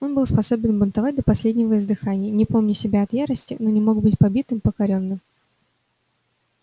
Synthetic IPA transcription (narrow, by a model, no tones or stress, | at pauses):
o̞nbɨlˠspɐso̞bʲɪnbʊnt̪ɐvat̚ʲd̪əpɐsʲlʲedʲnʲɪvəɪzd̪ɨxanʲɪjənʲɪpo̞mnʲɪsʲɪbʲaɐt̪jaɾəsʲtʲɪ̰no̞nʲɪmo̞ɡbɨtʲpɐbʲit̪ɨmpəkɐɾʲo̞nːɨm